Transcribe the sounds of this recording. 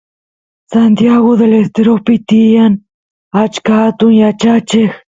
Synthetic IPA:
sant̪jaɣod̪elest̪eɾopɪt̪ɪjan | at͡ʃkaat̪ʊŋjat͡ʃat͡ʃɪx

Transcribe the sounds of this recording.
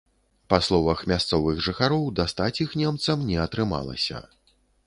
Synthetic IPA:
paslˠɔvɐxmʲast̪sɔvɨɣʐɨxaɾɔwd̪ast̪at͡sʲixnʲɛmt̪sɐmnʲɛɐt̪ɾɨma̰lˠɐ̰sʲɐ̰

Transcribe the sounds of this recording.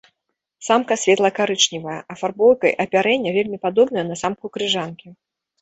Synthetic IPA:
samkɐsʲvʲɛt̪lˠɐkaɾɨt͡ʂnʲivɐjɐ̰ʔɐfarbɔjkɐjʔɐpʲaɾɛnʲːɐvʲelʲmʲipad̪ɔbnɐjɐnɐsamkukɾɨʐankʲi

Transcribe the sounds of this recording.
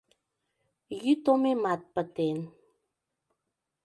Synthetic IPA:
jyt̪omemat̪̚pət̪en

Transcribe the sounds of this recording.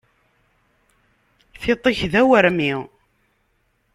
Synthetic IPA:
θit̪ˤiçðæwəɾmi

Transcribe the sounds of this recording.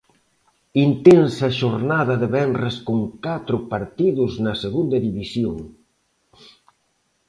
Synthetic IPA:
int̪ensɐʃoɾnaðɐðeβɛnreskoŋkat̪ɾʊpaɾt̪iðʊznɐseɣund̪ɐðiβisjoŋ

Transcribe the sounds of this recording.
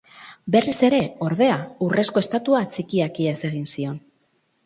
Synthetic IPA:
be̞rise̞ɾe̞o̞ɾðe̞aure̞sko̞e̞st̪at̪uat͡sikiakiaese̞ɣ̞insio̞n

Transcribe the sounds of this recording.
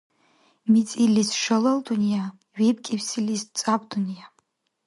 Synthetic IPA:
mit͡sʼilisʃʷalɐldunija | ɥebkʲʼiwsilist͡sʼab̚ʼdunija

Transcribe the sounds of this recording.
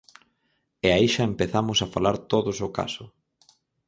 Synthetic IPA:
eaiʃaempeθamʊsafalaɾt̪oðʊsʊka̰sʊ

